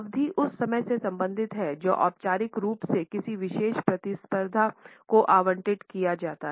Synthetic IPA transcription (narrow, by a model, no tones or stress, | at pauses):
ʋd̪ʱiʔʊsːɐməjsesɐ̃mbə̃nd̪ʱɪt̪ɦɛd͡ʒo̰ːʔɔ̰ːp̚t͡ʃaːɾɪkɾuːpsekɪsiʋɪʃeːʃpɾɐt̪ɪspəɾd̪ʱakoʔaːʋə̃ɳʈɪʈkijad͡ʒaːt̪aɦ